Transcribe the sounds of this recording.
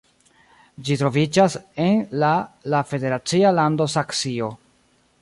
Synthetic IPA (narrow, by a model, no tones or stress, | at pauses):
d͡ʒitɾo̞vid͡ʒase̞nlalafe̞de̞ɾat͡sialando̞saksio̞